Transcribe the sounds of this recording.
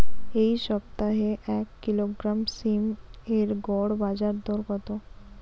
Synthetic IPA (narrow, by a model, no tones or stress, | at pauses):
eiʃɔbt̪aɦeʔɛkːiloɡɾamsimeɾɡɔɽbad͡ʑaɾd̪ɔɾkɔt̪o